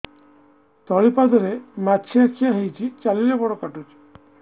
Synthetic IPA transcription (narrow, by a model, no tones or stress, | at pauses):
t̪ɔɭipad̪ɔɾemat͡ʃʰiat͡ʃʰiaɦejt͡ʃʰit͡ʃalilɔbɔɽɔkaʈut͡ʃʰi̥